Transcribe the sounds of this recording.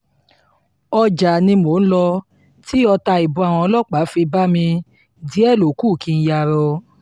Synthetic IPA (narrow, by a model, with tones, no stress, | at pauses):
ɔ˧d͡ʒa˨nĩ˧mo˨˦n̩˦lɔ˧ | ti˨˦ɔ˧ta˧i˨bũ˧a˨w̃ɔ̃˧ɔ˧lɔ˦˨k͡pa˨˦fi˧ba˦mĩ˧ | di˨˦ɛ˦˨lo˨˦ku˦˨kĩ˧n̩˦˧ja˧˨ɾɔ˧